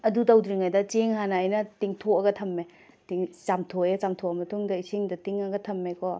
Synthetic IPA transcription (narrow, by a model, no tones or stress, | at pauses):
ɐdutawdɾiŋajdɐt͡ʃeŋhanɐːjnɐtiŋtʰoɐɡɐtʰɐmːe | tiŋt͡ʃamtʰoet͡ʃamtʰoɐmɐtʰuŋdɐisiŋdɐtiŋɐɡɐtʰɐmːekɔ